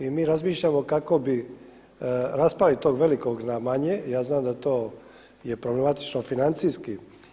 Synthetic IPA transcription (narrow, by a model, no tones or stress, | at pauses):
imiːɾazmiːʃʎamo̞kako̞bi | ɾaspalit̪o̞ːɡʋe̞liko̞ɡnamaɲejaːznaːmd̪at̪o̞ː | je̞pɾoble̞mat̪i̥t͡ʃnofinant̪sijski